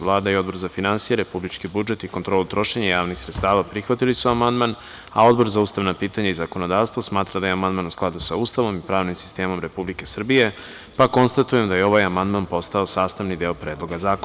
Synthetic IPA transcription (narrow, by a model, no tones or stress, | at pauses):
lˠaːd̪aio̞d̪bo̞ɾzafinansijeɾe̞publit͡ʃkibud͡ʒe̞t̪iko̞nt̪ɾolut̪ɾo̞ʃeɲajaːʋnixsɾet̪st̪aːʋapɾixʋat̪ilisuamand̪man | ao̞d̪bo̞ɾzauːst̪aʋnapiːt̪aɲaizako̞no̞d̪aːʋst̪ʋosmaːt̪ɾad̪ajeamand̪manusklˠad̪usaust̪aʋo̞mipɾaːʋnimsi̥st̪e̞ːmo̞mɾe̞publike̞sr̩bije̞ | pako̞nst̪at̪ujemd̪ajeo̞ʋajamand̪manpo̞st̪ao̞saːst̪aʋnid̪eopɾe̞ːd̪lˠo̞ɡazaːk